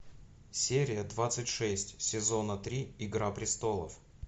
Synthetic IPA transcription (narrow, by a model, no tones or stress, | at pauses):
sʲeɾʲɪjəd̪vat̪sɨtʲʂɛsʲtʲsʲɪzo̞nət̪ɾʲiɪɡɾapɾʲɪst̪o̞lˠə̰f